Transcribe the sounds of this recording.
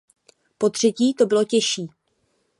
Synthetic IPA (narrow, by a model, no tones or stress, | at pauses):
po̞t̪r̝̥ɛciːt̪o̞bɪlo̞cɛʃiː